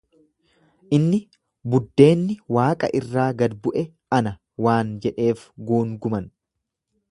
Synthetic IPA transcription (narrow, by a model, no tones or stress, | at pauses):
ʔɪnːɪ | bʊd̪ːe̞ːnːɪwaːkʼɐ̰ʔɪrːaːɡɐd̪bʊʔɛ | ɐnɐ | waːnd͡ʒɛᶑe̞ːfɡuːŋɡʊmɐn